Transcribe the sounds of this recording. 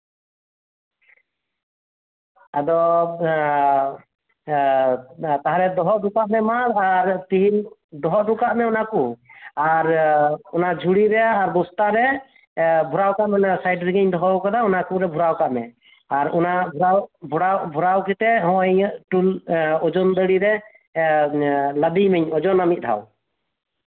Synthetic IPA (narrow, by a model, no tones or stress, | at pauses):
ad̪ɔ | t̪aɦaɾɛd̪ɔɦɔʔɖukaʔmɛmaɾaɾt̪iɦild̪ɔɦɔʔɖukaʔmɛɔnakuaɾɔnad͡ʒʱuɽiɾɛaːɾbɔst̪aɾɛ | bʱuɾawkaʔmɛnsajɖɾiɡiɲd̪ɔɦɔwkad̪aɔnakuɾɛbʱuɾawkaʔmɛ | aɾɔnabʱuɾawbʱuɾawbʱuɾawkɛt̪ɛʔɦɔ̃ʔɛɲʈulɔd͡ʒɔnd̪əɽiɾɛ | ləb̪imɛɲɔd͡ʒɔnamit̪̚ˀd̪ʰʱa̰w